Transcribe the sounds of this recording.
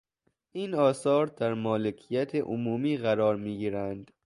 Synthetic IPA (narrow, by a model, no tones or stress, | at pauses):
ʔiːnɒːsɒːɾd̪æɾmɒːlekʰijæt̪ʰeʔomuːmiːɣæɾɒːɾmiːɡiːɾænd̪̥